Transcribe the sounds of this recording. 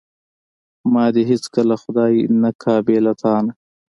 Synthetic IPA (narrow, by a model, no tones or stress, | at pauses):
mɑːd̪eɦɪt͡skəlaxʊd̪ɑːjnakʰɑːbeːlat̪ʰɑːna